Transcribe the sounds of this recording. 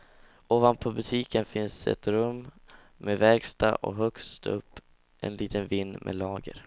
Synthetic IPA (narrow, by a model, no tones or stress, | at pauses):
oːvant̪̚pʰɔbɵt̪ʰiːkənfɪnsɛ̰t̪ɾɵmː | mevɛɾɡst̪a̰ʔɔ̰ɦœkst̪ɵ̰pː | ʔɛ̰nliːt̪ənvɪnːmʔɛ̰lɑːɡə̰ɾ